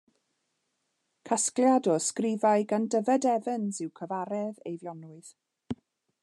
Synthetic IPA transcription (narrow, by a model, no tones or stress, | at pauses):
kʰaskljadɔskrɪvajɡandəvɛdɛvənzɪwkʰəvaɾɛðḛjvjɔnʊɨð̥